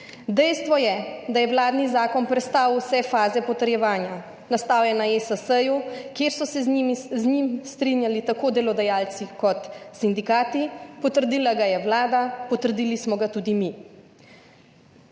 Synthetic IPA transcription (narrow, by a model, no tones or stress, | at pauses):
d̪ɛjst̪ʋɔjɛd̪ajɛwlaːd̪nizaːkɔnpɾɛt̪st̪aːwsɛfaːzɛpɔt̪əɾjɛʋaːnja | nast̪aːwjɛnaesəsəjukjeɾsɔsɛznimiznimst̪ɾinjalit̪akoːd̪ɛlɔd̪ɛjaːlt̪sikɔt̪sind̪ikaːt̪ipɔt̪əɾd̪iːlaɡajɛwlaːd̪apɔt̪əɾd̪iːlismɔɡat̪uːd̪imi